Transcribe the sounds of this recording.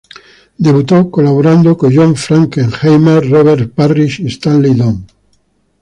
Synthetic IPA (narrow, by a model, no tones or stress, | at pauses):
d̪eβut̪okolaβoɾãnd̪okoʒõɱfɾaŋkeŋxejmeɾroβ̞eɾ̚pariʃest̪anliðoŋ